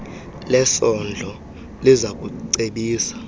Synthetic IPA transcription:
lɛsɔnd͡ɮʱɔ | lizak̬ʼuǀeɓiːsḁ

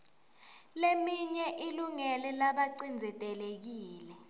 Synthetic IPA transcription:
lemiɲɛʔiluŋɛlɛlaɓaǀind͡zʱɛtʼɛlek̬iːlɛ

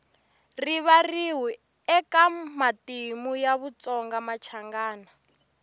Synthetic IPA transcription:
riβariɦi | ɛkamatimujaβut͡sɔŋɡamat͡ʃʰaŋɡaːna

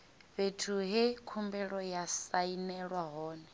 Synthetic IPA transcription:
βetʰuɦɛkʰumbɛɺɔjasainɛɺwaɦɔːnɛ

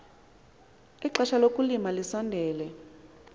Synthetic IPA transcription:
iǁaʃalokʼulimalisɔndʱɛːlɛ

